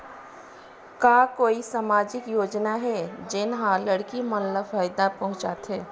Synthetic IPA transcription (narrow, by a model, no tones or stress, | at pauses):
kaːkoːisaːmaːd͡ʒɪkjoːd͡ʒnaɦɛd͡ʒɪnɦãlɐɽkimɐnləfaːjd̪apɐɦʊ̃t͡ʃaːt̪ɦɛː